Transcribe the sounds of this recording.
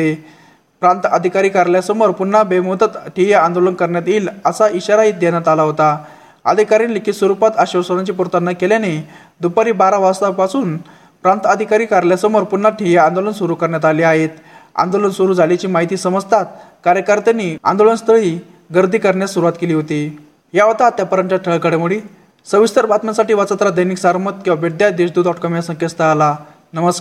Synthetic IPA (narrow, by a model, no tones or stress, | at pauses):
e | pɾant̪əd̪ʱikaɾiːkaɾljasəməɾpunːabemod̪ət̪ʈʰijaand̪olənkəɾɳjat̪iːləsaʔiɕaɾaiːt̪̚d̪jaɳjat̪alaɦot̪a | ə̰d̪ʱikaɾiːnlikʰit̪səɾupat̪aɕəʋsənat͡ɕiːpuɾt̪ənːakeljane | d̪upaɾiːbaɾaʋast̪aʋpasuːn | pɾãnt̪əd̪ʱikaɾiːkaɾljasəməɾpunːaʈʰijeand̪olənsuɾukəɾɳjat̪̬aliːaɦet̪ | a̰nd̪olənsuɾuːd͡zʱalit͡ɕiːmaɦit̪iːsəməd͡zt̪ʰat̪kaɾjəkəɾt̪janːia̰nd̪olənst̪əɭiː | ɡəɾd̪ʱiːkəɾɳjasuɾuʋat̪keliːɦot̪i | ɦjaʋət̪at̪japəɾənt͡ɕjaʈʰəɭkəɽemuɽi | səʋist̪əɾbat̪masaʈiːʋat͡sat̪ɾad̪əjniksaɾmət̪kĩw̃ʋabed̪jad̪eɕd̪uːɔʈkɔmjasə̃ŋkest̪əala | nəməskaɾ